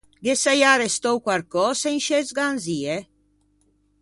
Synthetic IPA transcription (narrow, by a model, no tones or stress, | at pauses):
ɡesajaɾest̪owkwaɾkɔːseinʃezɡanziːe